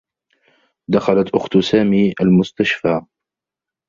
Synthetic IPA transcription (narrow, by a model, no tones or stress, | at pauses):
d̪axalat̪ʔʊxt̪saːmiːʔalmʊst̪aʃfaː